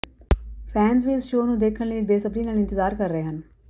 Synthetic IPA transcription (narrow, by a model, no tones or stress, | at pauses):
fʰɛːnzbʱiɪsʃoːnũd̪eːkʰəɽleibeːsəbɾinaːlɪnt̪ɪzaːɾkɐɾːəɦeɦɐ̃n